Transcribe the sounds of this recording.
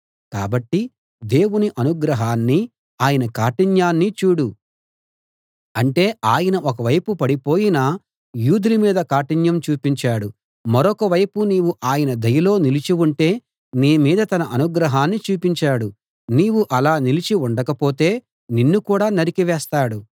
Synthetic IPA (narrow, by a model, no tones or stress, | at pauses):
ka̰ːbɐʈːi | d̪e̞ːwuniʔɐnuɡɾɐɦaːnːi | aːjɐnɐkaːʈiɲjaːnːit͡ʃuːɽu | ɐɳʈe̞ːaːjɐnɐʔɔkɐʋɐjpupɐɽipo̞ːjinaː | juːd̪iɾimiːd̪ɐkaːʈiɲjɐmt͡ʃuːpiɲt͡ʃaːɽu | mɐɾɔkɐʋɐjpuniːwuʔaːjɐnɐd̪ɐjɐlo̞ːnilit͡ʃiuɳʈe̞ː | niːmiːd̪ɐt̪ɐnɐʔɐnuɡɾɐɦaːnːit͡ʃuːpiɲt͡ʃaːɽu | niːwuʔɐlaːnilit͡ʃiuɳɖɐkɐpo̞ːt̪e̞ː | ninːukuːɽaːnɐɾikiʋɛːst̪aːɽu